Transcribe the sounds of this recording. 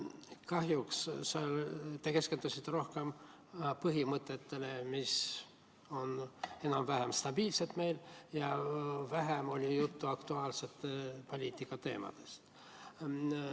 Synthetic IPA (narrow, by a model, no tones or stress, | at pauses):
kɑɦjuksset̪eke̞ske̞nd̪̥usʲit̪ːeɾo̞hke̞m | pɤɦimɤt̪ːˑet̪ːe̞le̞mis | o̞ne̞nɑmvæɦemst̪ɑbiːlse̞t̪me̞jljɑvæɦemo̞lʲijut̪ːuɑkt̪uɑːlse̞t̪ːˑepo̞lʲiːt̪ːˑikːˑɑt̪e̞ːmɑ̰d̪̥e̞st̪